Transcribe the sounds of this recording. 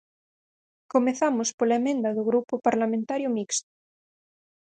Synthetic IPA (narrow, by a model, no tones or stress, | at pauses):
komeθamospolaemẽnd̪aðoɣɾupopaɾlamẽnt̪aɾjomikst̪o̥